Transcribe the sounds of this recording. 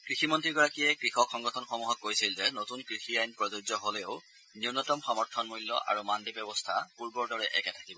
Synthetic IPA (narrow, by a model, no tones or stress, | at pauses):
kɹiximɔntɹiɹɡɔɹakijɛkɹixɔkxɔŋɡɔtʰɔnxomuɦɔkːojsilzɛnotunkɹixiajnpɹɔzozɔɦolɛʊ | niunɔtɔmxɔmɔɹtʰɔnmujlːɔ̰ʔa̰ɹumandibɛbɔstʰapuɹbɔɹdɔɹɛʔɛ̰kɛtʰḁkibɔ